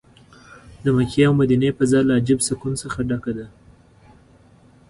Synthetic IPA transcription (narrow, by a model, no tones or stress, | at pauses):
d̪əmakeawmad̪inepazɑlaːd͡ʒɪbsakunsəxaɖakad̪a